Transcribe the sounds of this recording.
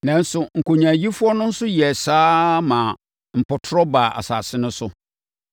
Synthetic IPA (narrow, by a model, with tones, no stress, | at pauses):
nã˦n̩˦sʊ˨ŋ̩˨ko˨ɲã˨ji˦fʊ˦ɔ˦nʊ̃˦n̩˦sʊ˦jɛ˨saː˦mã˨ | m̩˨pɔ˨tʰʊ˦ɾɔ˦ba˨ʔa̰˨sa̰ː˨sɪ˦nʊ̃˦sʊ˦